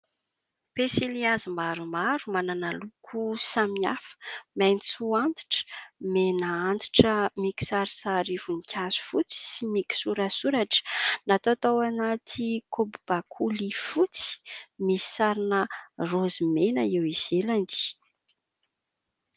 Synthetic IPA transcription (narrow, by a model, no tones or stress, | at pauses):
pesiliazimaɾumaɾumananalukʰusamiafə̥mejnit͡suant̪i̥ʈ͡ʂmenaant̪i̥ʈ͡ʂəmiki̥saɾisaɾivunikʲʰazu̥fut͡si̥simikʲi̥suɾasuɾaʈ͡ʂə̥nat̪ot̪owanat̪ʰikʰobub̥akʰulifut͡si̥misi̥saɾinərozimenəewiv̥eland̪i̥